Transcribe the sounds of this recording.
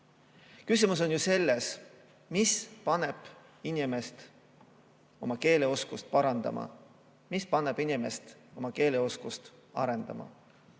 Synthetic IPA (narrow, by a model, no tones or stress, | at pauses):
kysimus̬o̞njuse̞lːes | mispɑneb̥ | inime̞st̪ | o̞mɑke̞ːleo̞skust̪̚pɑɾɑnd̪̥ɑ̰mɑ̰ | mispɑnːeb̥inime̞st̪o̞mɑke̞ːle̞o̞skust̪ | ɑ̰ɾend̪̥ɑ̰mɑ̰